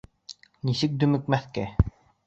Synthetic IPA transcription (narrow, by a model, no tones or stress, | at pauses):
nisɘk̚d̪ɵmɵ̆kmæθkæ